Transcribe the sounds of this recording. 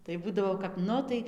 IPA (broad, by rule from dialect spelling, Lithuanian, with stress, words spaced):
tɐɪ ˈbuːdɐʋoː kɐp ˈnʊ tɐɪ